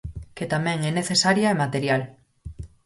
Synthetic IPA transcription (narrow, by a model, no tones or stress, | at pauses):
ket̪amɛ̃ŋɛneθesaɾjaemat̪eɾjal